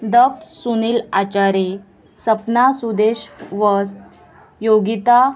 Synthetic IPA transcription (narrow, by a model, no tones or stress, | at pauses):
d̪əp̚t̪sunilat͡ɕaɾe | səpnasud̪eɕʋɔz | joɡit̪a